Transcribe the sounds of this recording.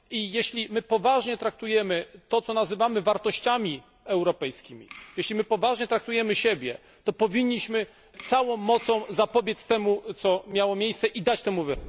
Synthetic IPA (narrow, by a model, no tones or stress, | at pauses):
ijɛɕlʲimɘpɔvaʐɲɛt̪ɾak̚t̪ujɛmɘt̪ɔt̪sɔnazɘvamɘvaɾt̪ɔɕt͡ɕamʲi | ɛwɾɔpɛjskʲimʲḭjɛɕlʲimɘpɔvaʐɲɛt̪ɾakt̪ujɛmɘɕɛbʲjɛ̰ | t̪ɔpɔvʲiɲːiɕmɘ | t̪sawɔ̃w̃ːɔt̪sɔ̃w̃zapɔbʲjest̪ɛmut̪sɔmʲjawɔmʲjejst̪sɛʔid̪at͡ɕt̪ɛmuvɘ